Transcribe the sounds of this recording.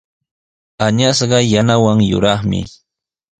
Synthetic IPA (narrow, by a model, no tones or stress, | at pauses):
aɲasɢɑjanawaŋjʊ̰ɾɑχmɪ̰